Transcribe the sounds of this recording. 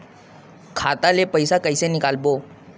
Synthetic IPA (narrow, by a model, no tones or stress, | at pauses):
kʰaːt̪alepəɪsakəɪsenɪkaːlboː